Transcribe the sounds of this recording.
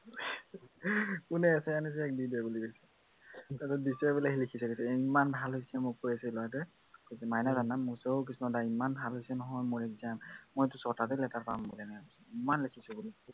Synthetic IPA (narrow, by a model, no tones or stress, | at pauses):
kunɛasɛanis̬ɛɛk̚bidabuliɡojsɛ | tatɛdisɛbulaɦilikʰisɛkɡojsɛimanbʱalɦojsɛmʊpuɹiasɛlɔjat̬ɛ | kosɛmajnazanamːusɔok̬isunɔdaimanbʱalɦojsɛnɔɦɔjmoɹɛzanmojtusɔtatɛlɛtaɹpa̰mbulɛnaaɡosuimanlikʰisubuli